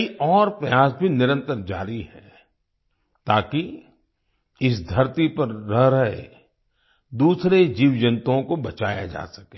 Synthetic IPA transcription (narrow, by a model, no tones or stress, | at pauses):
iɔːɾpɾɐjaːsbʱinɪɾə̃nt̪əɾd͡ʒa̰ːɾiɦɛ | t̪aːki | ɪs̬d̪ʱɐɾt̪ipɐɾːɐɦɾɐɦḛ | d̪uːsɾed͡ʒiːʋd͡ʒə̃nt̪õkobɐt͡ʃaːja̰d͡ʒa̰ːsɐ̥keː